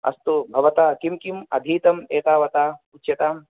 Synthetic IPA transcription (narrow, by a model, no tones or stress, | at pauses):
ɐ̰st̪ubʱɐʋɐt̪aːkimkimɐ̰d̪ʱiːt̪ɐmeːt̪aːʋɐt̪aːutt͡ʃːʃjɐt̪aːm